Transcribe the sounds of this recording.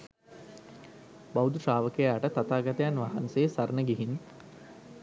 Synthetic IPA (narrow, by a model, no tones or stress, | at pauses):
bawud̪uʂaːʋəkejaaʈət̪at̪aːɡat̪ejanʋaɦa̰nseːsaɾənəɡiɦin